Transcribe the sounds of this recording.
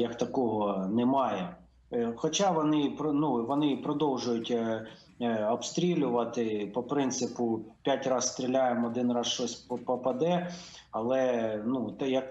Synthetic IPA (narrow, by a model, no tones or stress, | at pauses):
jɐkt̪ɐkɔɦɔnɛmɑjɛ | xɔt͡ʃɑʋɔnɪpɔnuʋɔnɪpɾɔd̪ɔwʒʊjʊtʲ | ɔbst̪ɾʲilʲʊʋɐt̪ɪpɔpɾɪnt̪sɪpʊpʲjatʲrɑsst̪ɾʲilʲajemɔd̪ɪnrɑsʃt͡ʃɔsʲpɔpɐd̪ɛ | ɐlˠɛnut̪jɐk